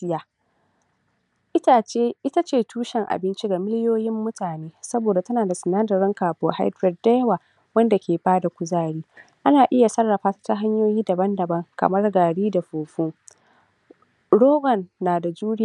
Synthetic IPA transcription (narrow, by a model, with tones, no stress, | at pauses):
sɪ˦jaː˨ | ʔɪ˦ta˨t͡ʃeː˦ʔɪ˦ta˦t͡ʃeː˨tʰuː˦ʃɛ˨ŋʔa̰˨bɪ˦nt͡ʃi˦ɡa˨mɪ˦lɪ˦joː˦jɪ˦mːʊ˦tʰaː˨neː˦sɐ˦boː˨da˨tɐ˦naː˨da˨sʊ˨naː˦dɐ˨ɾɪ˦ŋkaː˨ɸoː˨ha̰˦jdɾɛ˨d̚da˦jwaː˨ | wɐ˦nda˨kʲʰeː˨baː˦da˨kʷʊ˨zaː˦ɽiː˦ | ʔa˦naː˨ʔɪ˦ja˨sɐ˦rːɐ˨ɸaː˦tḁ˦ta˦ɦa˦ɲjoː˦jiː˦dɐ˨bɐ˦ndɐ˨bɐ˦ŋkɐ̰˨mɐ˦rɡaː˨ɽiː˦da˨ɸoː˨ɸuː˦ | ɽoː˦ɡɔ˨nːaː˨da˨d͡ʒuː˦ɽɪ˦˨